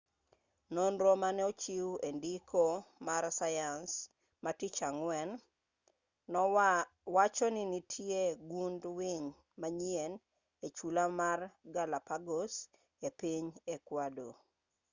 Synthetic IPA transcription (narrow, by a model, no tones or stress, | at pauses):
nonɾomanɛot͡ʃiwendikomaɾsajans | matit͡ʃaŋwɛn | wat͡ʃɔninitʰjeɡundwiɲ | maɲien | et͡ʃulamarɡalapaɡos | epiɲekwado̰